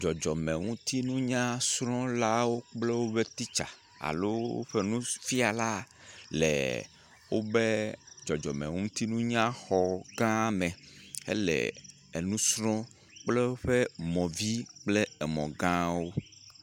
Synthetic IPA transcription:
d͡ʒɔ˨d͡ʒɔ˨mɛ̃˨ŋũ˦t̪i˦nũ˦ɲã˦sɾɔ̃˦la˦wo˦k͡plɛ˦wo˦be˦t̪i˦t͡ʃa̰˨ | a̰˨lo˦wo̰˦ɸɛ˦nũ˦fi˦a˨la˦ | lɛ̰˨ | wo˦be˦d͡ʒɔ˨d͡ʒɔ˨mḛ˨ŋũ˦t̪i˦nũ˦ɲã˦xɔ˨ɡã˦mɛ̃˨ḛ˦lɛ̰˨ | e˨nũ˦sɾɔ̃˦ | k͡ple˦wo˦ɸɛ˦mɔ̃˨vi˦k͡ple˦ɛ˨mɔ̰̃˨ɡã˦wo˦

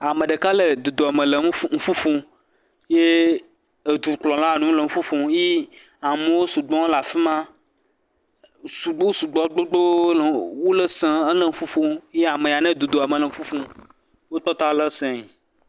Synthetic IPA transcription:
a˨mẽ˨ɖe˨ka˦le˨d̪u˨d̪o˨a˨mẽ˨le˨˦ŋ̩˦ɸu˦ɸũ˦ | je˦ | e˨d̪u˨k͡plɔ̃˨la˦˨nũ˨˦le˨ŋ̩˦fu˦ɸũ˨je˦ | a˨me˨˦wo˦su˨ɡ͡bɔ̃˦la˨fi˦mã˦ | su˨ɡ͡bo˦su˨ɡ͡bɔ˨˦ɡ͡bo˦ɡ͡bo˦lwu˦le˦sẽ˨e˦le˦ŋ̩˦ɸu˦ɸu˦je˦a˨me˨ja˨nẽ˦d̪u˨d̪o˨a˨me˨le˨ŋ̩˦fu˦fũ˦ | wo˦t̪ɔ˦t̪a˦le˦sɛ̃˨

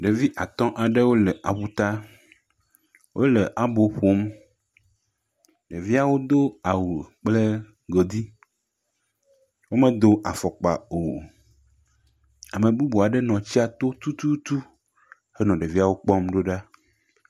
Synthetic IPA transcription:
ɖe˨vi˦ʔa˨t̪ɔ̃˦ʔa˨ɖɛ˦wo˦le˨ʔa˨ɸu˦t̪a˦ | wʔo̰˦lɛ˨ʔa˨bo˨ɸo˦m | ɖe˨vi˦a˨wo˦d̪o˦a˨wu˨k͡ple˦ | ɡo˨d̪i˦ | wo˦mẽ˦d̪o˦ʔa˨fɔ˨k͡pa˨o˨ | a˨mẽ˨bu˦bu˨a˨ɖɛ˦nɔ̃˨t͡ɕi˦a˨t̪o˦t̪u˦t̪u˦t̪u˦ | he˦nɔ̃˨ɖe˨vi˦a˨wo˦k͡pɔ˦mɖo˦ɖa˦

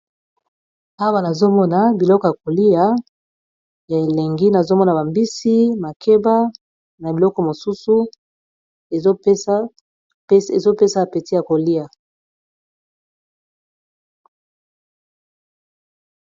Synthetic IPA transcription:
a˦wa˦na˨zo˦mɔ˦na˦bi˨lɔ˦kɔ˨ja˨ko˨li˦ja˦ | e˨e˨le˨ŋɡi˦na˨zo˦mɔ˦na˨ba˨mbi˦si˦ma˨kʰe˦ba˦ | na˨bi˨lɔ˦kɔ˨mo˨su˦su˦ | e˨zo˦ | e˦se˨zo˦pe˦sa˦˨pe˨ti˦ja˨ko˨li˦ja˨

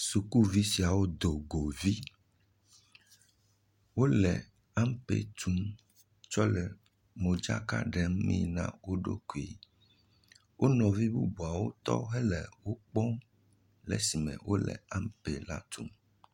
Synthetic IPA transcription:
su˨ku˦vi˦si˨a˨wo˦d̪o˨ɡo˨vi˦ | wo˦lɛ˨ | a˦mpḛ˦˨t̪ʰu˦m | t͡ʃɔ˦lɛ˨ | mo˨d͡ʒa̰˦ka̰˦ɖɛ˨m˦mĩ˦˨nã̰˦wo˦ɖo̰˦ku˨e˨ | wʔo˦nɔ̃˨vi˦bu˦bu˨a˨wo˦t̪ɔ̰˦ɦɛ˦lɛ˨wo˦k͡pɔ˦m | lɛ̰˦si˨mɛ̰̃˨wʔo˦lɛ̰˨a˦mpe˨la̰˦t̪ʰu˦m

